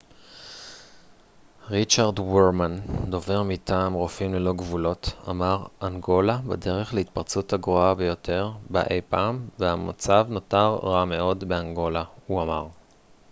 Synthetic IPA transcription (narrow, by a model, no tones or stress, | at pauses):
ʁit͡ʃaʁdweʁmando̞ve̞ʁmitaːmʁofimlelo̞ɡvulo̞ta̰maʁaŋɡo̞labede̞ʁe̞χleitpaʁt͡suthaɡʁoabejo̞tʰe̞ʁba̰ʔe̞jpaːmveamat͡savnotaʁːame̞o̞dbe̞aŋɡo̞lauamaʁ